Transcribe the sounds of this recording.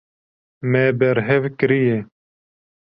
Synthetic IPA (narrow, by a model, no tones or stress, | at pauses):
meːbɛɾɦɛvkɾije